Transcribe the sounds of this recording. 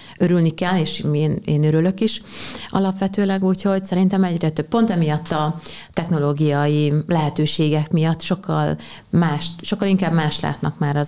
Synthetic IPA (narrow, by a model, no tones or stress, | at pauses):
øɾylnikɛlːeːʃeːneːnøɾylø̞kiʃɒ̰lɒpʋɛt̪øːlɛɡuːcho̞ɟsɛɾint̪ɛmɛɟɾɛt̪øppo̞nt̪ɛmijɒt̪ːɒt̪ɛxno̞loːɡijɒjilɛɦɛt̪øːʃeːɡɛkmijɒt̪ːʃo̞kːɒ̰l | maːʃt̪ʃokːɒliŋkaːbmaːʃt̪la̰ːt̪nɒkmaːɾɒ